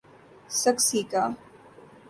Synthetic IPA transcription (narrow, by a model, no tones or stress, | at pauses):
sɐksiːkaː